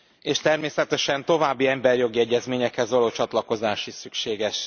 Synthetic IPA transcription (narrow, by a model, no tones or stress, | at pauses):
eːʃt̪ɛrmeːsɛt̪ɛʃɛnt̪o̞vaːbːiɛmbɛrjo̞ɡiɛɟːɛzmeːɲɛkhɛzʋɒloːt͡ʃɒt̪lɒko̞zaːʃisykʃeːɡɛʃ